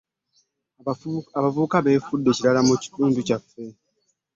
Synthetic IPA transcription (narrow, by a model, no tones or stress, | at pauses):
aβavuβukaβe̞ːfudːe̞ciɾalamuci̥tuːnducafːe̞